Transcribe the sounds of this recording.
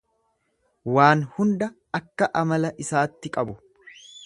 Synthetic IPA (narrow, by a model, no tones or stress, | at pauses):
waːnhʊnd̪ɐ | ɐkːɐʔɐmɐlɐʔɪsaːt̪ːɪkʼɐbʊ